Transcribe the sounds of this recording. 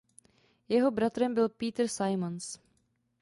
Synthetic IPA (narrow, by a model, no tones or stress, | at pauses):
jɛɦo̞bɾat̪ɾɛmbɪlpiːt̪rsajmons